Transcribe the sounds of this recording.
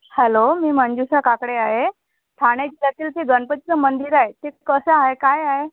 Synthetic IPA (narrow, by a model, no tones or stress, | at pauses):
hɛlomiːmənd͡ʑusakakɽeaɦe | ʈ̪ʰaɽ̃jed͡ʑilat̪iːlteɡənpət̪it͡səmənd̪iɾaɦet̪ekəsəaɦekajaɦe